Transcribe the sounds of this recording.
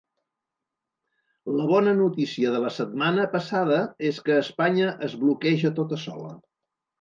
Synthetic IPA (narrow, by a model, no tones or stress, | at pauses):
ləβɔnənut̪isiəðələsət̪̚manəpəsað̞əeskəːspaɲəʔəzβlukɛʒət̪ot̪əsɔ̰lə̰